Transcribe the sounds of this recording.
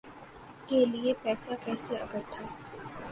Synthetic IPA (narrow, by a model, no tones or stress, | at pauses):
keliepɛːsakɛːseɐɡəɾt̪ʰːaː